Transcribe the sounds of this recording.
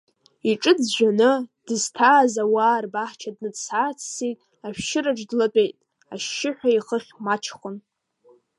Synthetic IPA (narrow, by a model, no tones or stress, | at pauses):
iʈ͡ʂʼɨdʒᶣanɨd̥ɨztʰaːzawaːrbaħt͡ʃʰadnɨdsaːt͡sʰsitʼ | aʃʷᶣʃɪɾaʈ͡ʂʼdlat͡pʼejtʼ | aʃːɪħʷᶣaiχəχʲmat͡ʃʰχʷʊn